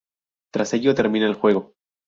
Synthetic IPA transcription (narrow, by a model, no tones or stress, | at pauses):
t̪ɾase̞ʝo̞t̪e̞ɾmĩnaelxwe̞ɣo̞